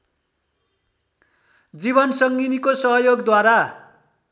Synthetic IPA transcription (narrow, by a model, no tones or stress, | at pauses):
d͡ziβʌnsʌŋɡinikosʌɦʌjoɡd̪waɾa